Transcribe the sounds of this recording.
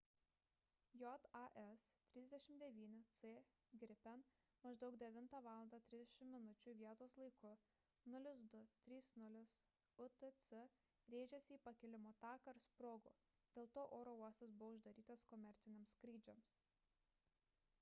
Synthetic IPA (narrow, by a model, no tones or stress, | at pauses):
jɔt̪ɐʔɛst̪ʲɾʲɪzʲd̪ʲɛʃʲɪmd̪ʲɛʋʲiːnʲɪt̪seː | ɡʲɾʲɪpʲɛn | mɐʒd̪ɐʊkd̪ʲɛʋʲɪnt̪ɑːʋɑːlˠɐnd̪ɑːt̪ʲɾʲɪzd̪ʲɛʃʲɪmːʲɪnʊt͡ʃʲuːˑʋʲiɛt̪oːslˠɐɪkʊ | nʊlʲʊs̬d̪ʊt̪ʲɾʲiːsnʊlʲɪs | ʊt̪ət̪sɛ | ɾʲeːʒʲɛsʲɪiːpɐkʲɛlʲɪmoːt̪ɑːkɐɾspɾoːɡo̰ː | d̪̥ʲeːlˠt̪oːʔoːɾoːuɔst̪ʲɐsbʊʋoʊʒd̪ɐɾʲiːt̪ɐskɔmʲɛɾʲt̪sʲɪnʲemskɾʲiːd͡ʒʲoms